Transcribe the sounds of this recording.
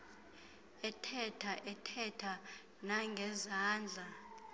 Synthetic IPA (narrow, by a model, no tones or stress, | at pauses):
ɛtʰɛtʰaʔɛtʰɛtʰa | naŋɡʱɛzaːnd͡ɮʱa